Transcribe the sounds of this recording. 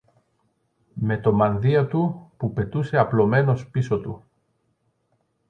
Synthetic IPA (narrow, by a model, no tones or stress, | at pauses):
me̞t̪o̞mɐnðiɐt̪upupe̞t̪use̞ɐplo̞me̞no̞spiso̞t̪u